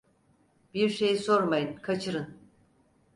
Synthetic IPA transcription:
biɾʃe̞jiso̞ɾmajɯnkʰat͡ʃʰɯɾɯn

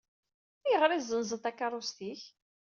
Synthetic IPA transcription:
iʁɾizənzəθakːɑrˤʊst̪iç

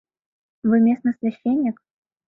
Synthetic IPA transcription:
vɨmʲesnəsvʲɛɕʲenʲːɪk

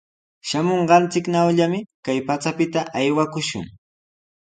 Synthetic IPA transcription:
ʃamoɴɢɑnt͡sɪknawʎamɪkajpat͡sapɪt̪aʔajwakʊʃʊ̰ŋ

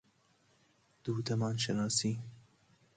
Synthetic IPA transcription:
d̪̥uːt̪ɐmɑːnʃɐnɑːsiː

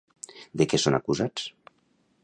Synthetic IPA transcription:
d̪ekɛsona̰kuzat͡s

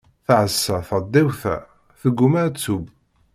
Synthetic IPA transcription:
θaʕəsːæθəd̪ˤːæwθæ̰ | θəɡʷːumæɾt͡sːub

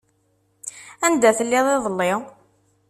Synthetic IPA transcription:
ænd̪æθəlːɪðˤeðˤəlːɪ

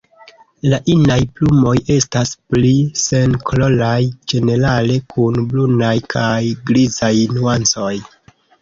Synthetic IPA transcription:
laʔinajplumo̞je̞stasplise̞nkolo̞lajd͡ʒe̞ne̞ɾale̞kʰunblunajkʰajɡɾizajnuant͡so̞j

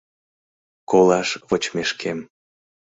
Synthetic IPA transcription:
kolˠɑʃβot͡ɕmeʃkʰem

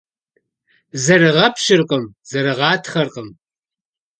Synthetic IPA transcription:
zɐrɨʁɐpʰʃɪrqʼəmz̥ɐɾɨʁɑːtʰχɐrqʼəm

